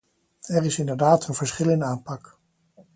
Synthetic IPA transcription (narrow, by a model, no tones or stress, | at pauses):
ɛrɪsɪndəɹdaːtʰənv̥əɹsχɪlɪnaːmpɑk